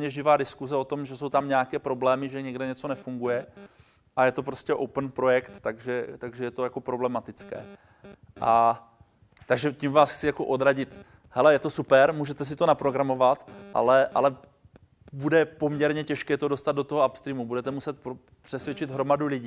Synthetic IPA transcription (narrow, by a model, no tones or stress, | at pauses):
ɲɛʒɪvaːdɪskuzɛo̞t̪o̞mʒɛso̞wt̪amɲɛakɛːpɾo̞blɛːmɪʒɛɲɛɡdɛɲɛt͡so̞nɛfuŋɡujɛ | ʔajɛt̪o̞p̬ɾo̞scɛʔowpən̩pɾo̞jɛkt̪ːaɡʒɛt̪aɡʒɛjɛt̪o̞jako̞pɾo̞blɛmat̪ɪt͡skɛ̰ː | ʔa | t̪aɡʒɛcimvaːsxt͡sɪjako̞ʔo̞d̪ɾaɟɪt̪ | hɛlɛjɛt̪o̞supɛɾmuːʒɛt̪ɛs̬ɪt̪o̞napɾo̞ɡɾamo̞vat̪ʔa̰lɛʔa̰lɛ | budɛpo̞mɲɛɾɲɛcɛʃkɛːt̪o̞do̞st̪ad̪dot̪oɦoapst̪ɾiːmubudɛt̪ɛmusɛt̪̚p | pr̥ɛsvjɛt͡ʃɪd̪ɦɾo̞madulɪɟiː